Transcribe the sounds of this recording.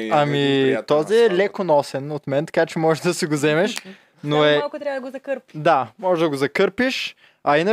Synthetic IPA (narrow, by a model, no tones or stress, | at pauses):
ɐmit̪ɔziɛlɛkonɔsɛnot̪mɛnt̪ɐ̥kat͡ʃɛmɔʒɛd̪ɐsiɡozɛmɛʃ | noɛkʊt̪ɾavɐd̪ɐɡozɐkəɾpid̪amɔʒɛd̪ɐɡozɐkɤɾpiʃ | ɐinə